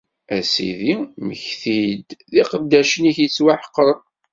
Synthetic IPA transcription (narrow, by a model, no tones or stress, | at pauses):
æsḭðiməçθid̪ðiqəbd̪æʃəniçjət͡sːwaħə̥qːəɾˤ